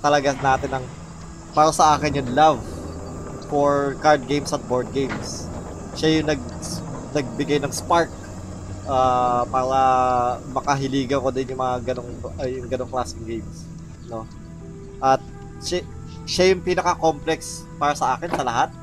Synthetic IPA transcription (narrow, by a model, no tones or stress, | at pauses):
t̪ɐlɐɡanaːt̪ɪnɐŋ | paːɾɐsɐʔaːkɪnjʊŋlav | foɹkaɹd̪̚ɡejmsɐt̪̚boɹd̪̚ɡejms | ʃajʊŋnɐɡ̚ | nɐɡ̚bɪɡajnɐŋspaɹk̚ | ʔaːpaːɾɐmɐkɐɦɪliːɡɐŋkod̪ɪnjʊŋmɐŋaɡɐnoŋjʊŋɡɐno̞ŋklaːsɪŋɡejms | no̞ | ʔɐt̪̚ | ʃa | ʃajʊŋpiːnɐkɐkomplɛks | paːɾɐsɐʔaːkɛnsɐlɐɦat̪̚